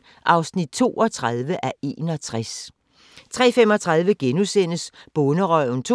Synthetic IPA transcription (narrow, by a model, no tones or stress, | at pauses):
ʔɑ̈ʊsnid̥̚t͡sʰo̝̰ːɒ̽t͡sʰʁaðˠʋəʔæe̝ːnɒ̽t͡sʰʁas | t͡sʰʁɛ̰ːfemɒ̽t͡sʰʁɑ̈ð̞ˠʋəɡ̥enusen̰əsb̥ɔ̽nəʁɒ̰ʊn̩t͡sʰ